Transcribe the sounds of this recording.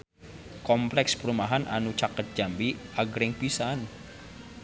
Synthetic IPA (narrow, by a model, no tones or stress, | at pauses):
kɔmplɛkspəɾumaɦanʔanut͡ʃakət̪̚d͡ʒ̥ambiaɡɾɪŋpisan